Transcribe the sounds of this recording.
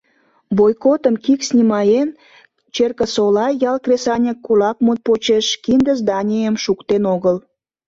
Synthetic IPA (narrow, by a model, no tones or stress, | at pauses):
βojkot̪əmkiksnʲimɑjen | t͡ɕerkə̆solɑjːɑlkresɑnʲəkːulɑk̚mut̪̚pot͡ɕeʃkind̪əzd̪ɑnʲejəmʃukt̪enoɣəl